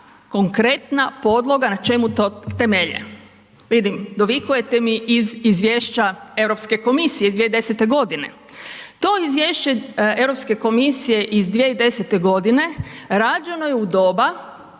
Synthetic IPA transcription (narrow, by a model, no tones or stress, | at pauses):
ko̞ŋkɾe̞t̪napo̞d̪lˠo̞ɡanat͡ʃe̞mut̪ot̪e̞meʎḛ | ʋid̪imd̪oʋikuje̞t̪e̞miʔizizʋʲjeːʃt͡ɕae̞ʋɾo̞pske̞ko̞misijeizd̪ieid̪e̞set̪e̞ɡo̞d̪ine̞̰ | t̪o̞izʋje̞ːʃt͡ɕee̞ʋɾo̞pske̞ko̞misije̞ʔizd̪jieid̪e̞set̪e̞ɡo̞d̪ine̞ɾaːd͡ʒe̞no̞jeud̪o̞ːba